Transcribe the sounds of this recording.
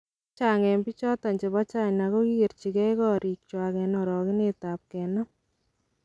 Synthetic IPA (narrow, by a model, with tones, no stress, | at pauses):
t͡ʃaŋɛ˨mbi˦t͡ʃɔ˦ta˨ɲt͡ʃɛ˨ba˦t͡ʃa˦˨ɲnako˦ki˦ɡe˨ɾt͡ʃi˨kɛ˦kɔɾi˨k̚t͡ʃwa˨kɛ˨nɔ˨ɾɔ˨kɪ˦neta˨p̚kɛnɔ˦